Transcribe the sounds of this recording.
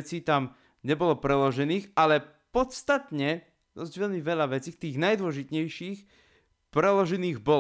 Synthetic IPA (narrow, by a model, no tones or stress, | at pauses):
t͡siːt̪am | ɲɛbɔlɔpɾɛlɔʒɛniːxalɛ | pɔt̪st̪at̪ɲɛ | d̪ɔzɟʋɛʎmiʋɛʎaʋɛt͡siːt̪iːɣnajd̪ʊɔʒit̪ɲɛjʃiːx | pɾɛlɔʒɛniːɣbɔ